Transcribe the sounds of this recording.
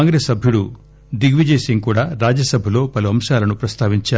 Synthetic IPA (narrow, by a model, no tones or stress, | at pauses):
aːŋɡɾeːsɐbʱjuɽu | d̪iɡʋid͡ʒeːsiŋkuːɽaːɾaːd͡ʒɐsɐbʱɐlo̞ːpɐluɐmʂaːlɐnupɾɐst̪ʰaːʋiɲt͡ʃaː